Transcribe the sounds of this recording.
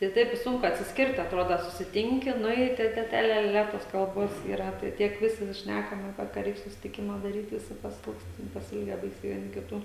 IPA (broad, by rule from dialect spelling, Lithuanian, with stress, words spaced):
tɐɪ ˈtɐɪp ɪ ˈsʊŋkʊ ɐtʲsʲɪsʲˈkʲɪrt ɐtˈroːdɐ sʊsʲɪˈtʲɪŋʲkʲɪ ˈnʊ ɪ tɐɪ ˈtʲɛ ˈtʲɛ ˈlʲɛ ˈlʲɛ ˈlʲɛ ˈtoːs kɐlˠˈboːs iːˈrɐ ˈtɐɪ ˈtʲiɛk ˈʋʲɪsʲɪ ˈʃʲnʲækɐm ɐˈpʲiɛ kɐ ˈrʲɛɪk sʊsʲɪtʲɪˈkʲɪmɐ dɐˈrʲiːt ˈʋʲɪsʲɪ pɐˈsʲɪlˠkst tʲɛn pɐsʲɪˈɪlʲɡʲæː ˈbɐɪsʲɛɪ ʋʲiɛˈnʲɪ kʲɪˈtuː